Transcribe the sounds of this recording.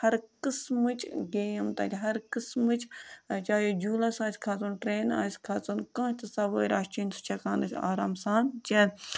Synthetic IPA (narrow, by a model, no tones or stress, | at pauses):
hɐɾkɨsmɨt͡ʃɡeːmt̪ɐ̰ːlʲɦɐɾkɨsmɨt͡ʃt͡ʃaːjod͡ʒuːlasaːsʲkʰaːt͡sunʈɾeːna̰ːsʲkʰaːt͡sunkɐ̃ːt̪ɨsɐʋəːɾʲaːst͡ʃinʲsu̥t͡ʃʰɐkaːnɨsʲa̰ːɾaːmsãːt̪t͡ʃɛ